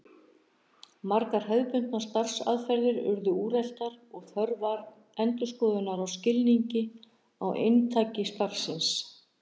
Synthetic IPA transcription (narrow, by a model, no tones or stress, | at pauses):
maɾkaɾ̥ɦœðpʏn̥t̪nast̪ar̥sa̰ðfɛɾðɪɾʏ̰ɾðʏuːɾɛl̥t̪aɾɔɣθœɾvaɾ | ɛnt̪ʏskɔːðʏnaɾawscɪlniɲcɪ | a̰wʔḛjnt̪ʰaːcɪst̪ar̥sɪns